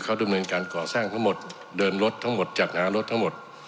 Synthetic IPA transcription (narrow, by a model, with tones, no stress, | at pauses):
kʰa˦˥˩wda˧mnɤː˧nkaː˧nkɔː˨˩saː˥˩ŋt̪ʰa˦˥ŋmo˨˩t̪̚ | dɤː˧nɾo˦˥t̪ʰːa˦˥ŋmo˨˩t̪̚t͡ɕaː˨˩k̚haː˩˦ɾo˦˥t̪ʰːa˦˥mo˨˩t̪̚